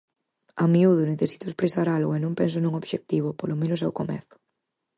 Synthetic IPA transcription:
amiuðʊneθesi̥t̪ʊespɾesaɾalɣoenõŋpɛns̬onũŋoβʃek̚t̪iβ̞ʊpolomẽnʊs̬ɛwkomɛ̰θʊ̥

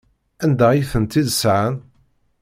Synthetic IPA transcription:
ænd̪æiθənt̪iðsʕan

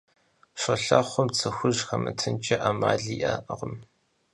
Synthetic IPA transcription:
ɕʷɐɬaχʷɔmt͡sʰɨxʷʊʒxɐmɨtʰɨnt͡ʃʼɐʔaːmaːɮiːʔaʔʁəm

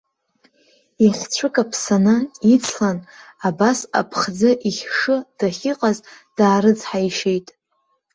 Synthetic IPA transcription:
iχʲt͡ɕʷʰɨkʼapʰsanait͡sʰlanabasa̰pʰχd͡zaʔiχʲʂɨd̥aχʲiqʼazd̥aːɾɨd͡zħaiʃe̞jtʼ

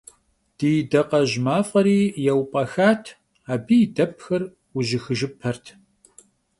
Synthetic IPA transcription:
d̥ijdɐqɐʑmaːfʼɐɾiːjɛwpʼɐxaːtʰ | aːbiːdɐp̚ʰxɐr | wʊʒɪxɨʒɪpʰːɐrtʰ

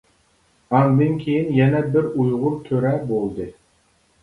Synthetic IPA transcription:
ɑŋd̪ɨnkʲʰejinjɛnɛbɪɾujʁʊɾt̪ʲʰøɾɛbolˠd̪ɨ

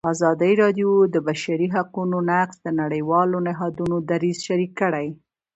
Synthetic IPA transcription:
ɑzɑd̪əiɾɑɖjod̪əbaʃaɾiɦaqunonaqsd̪ənaɽəjwɑlonɪɦɑd̪unod̪aɾizʃaɾikːəɽaj

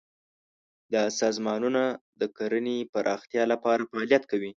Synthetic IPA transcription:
d̪ɑsɑzmɑnunad̪əkaɾənepaɾʔɑxt̪jɑlapɑɾafaːljat̪kawi

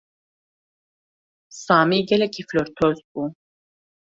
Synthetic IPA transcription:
saːmiɡɛlɛkʰiflɔɾt̪ʰɔzbu

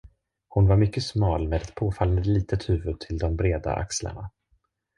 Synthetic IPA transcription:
hʊnvaɾmʏkːəsmɑːlmeːd̪ɛt̪pʰoːfalːənd̪əliːt̪ət̪hʉ̟ːvɵd̪̚t̪ʰɪld̪ɔmbɾeːd̪a̰ʔa̰ksla̰ɳa

